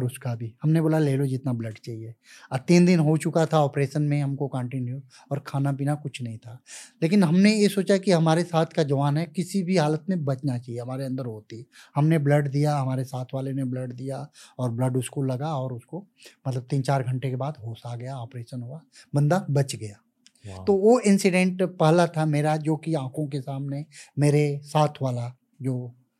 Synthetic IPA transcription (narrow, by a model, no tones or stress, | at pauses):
ɔɾʊskabʱiɦɐmneboːlaleːlod͡ʒɪt̪nablɐɖt͡ʃaːɦieɐt̪ĩːnd̪ɪnɦot͡ʃʊkat̪ʰaɔːpɾeːʃənmẽɦɐmkokə̃ɳʈɪnju | ɔːɾkʰaːnap̬iːnakʊt͡ʃʰnɐɦĩt̪ʰaːleːkɪnɦɐmnejesoːt͡ʃakiɦɐmaːɾesaːt̪ʰkad͡ʒɐʋaːnɦɛkɪsibʱiɦaːlət̪mẽbɐt͡ʃnat͡ʃaːɦieɦɐmaːɾeɐ̃nd̪əɾɦoːt̪i | hɐmneblɐɖd̪ijaɦɐmaːɾesaːt̪ʰʋaːlenebləɖd̪ijaɔːɾblɐɖʊskolɐɡaɔːɾʊsko | mɐt̪ləb̚t̪iːnt͡ʃaːɾɡʱɐ̃ɳʈekebaːd̪ɦoːsaɡɐjaɔːpɾeːʃənɦuabɐ̃nd̪abɐt͡ʃɡɐjaː | t̪oʋoɪ̃nsɪɖɛ̃ɳʈpɛɦlat̪ʰameːɾad͡ʒoːkiãːkʰõkesaːmnemeːɾesaːt̪ʰʋaːla | d͡ʒoː